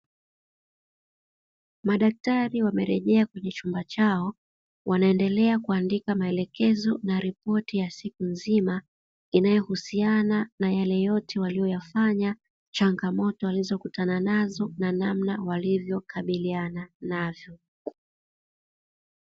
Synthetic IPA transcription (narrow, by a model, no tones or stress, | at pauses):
maɗak̚taɾiwamɛɾɛʄɛakwɛɲɛt͡ʃumbat͡ʃaɔ | wʔanaɛndɛlɛakuandikamaɛlɛkɛzɔnaɾipɔtijasikunzima | inajɔhusiananajalɛjɔtʰɛwalijɔjafaɲa | t͡ʃaŋɡamɔtɔalizɔkutananazɔnanamnawalivjɔkaɓiliananavjɔ